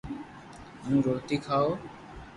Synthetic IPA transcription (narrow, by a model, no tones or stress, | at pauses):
mũːɾoːt̪iːkʰaːo